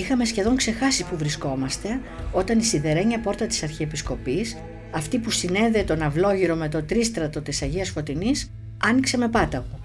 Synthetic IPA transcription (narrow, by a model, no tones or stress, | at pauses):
ixɐme̞sçe̞ðo̞ŋkse̞xɐsipuvɾisko̞mɐst̪e̞ | ot̪ɐnisiðe̞ɾe̞ɲɐpo̞ɾt̪ɐt̪i̥sɐɾçiepisko̞pis | ɐft̪ipusine̞ðet̪o̞nɐvlo̞ʝiɾo̞me̞t̪o̞t̪ɾist̪ɾɐt̪o̞t̪isɐʝiɐsfo̞t̪inis | ɐnikse̞me̞pɐt̪ɐɣu